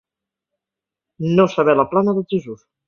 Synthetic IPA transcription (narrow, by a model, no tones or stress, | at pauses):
nosəβɛləplanəðəlˠʒəzus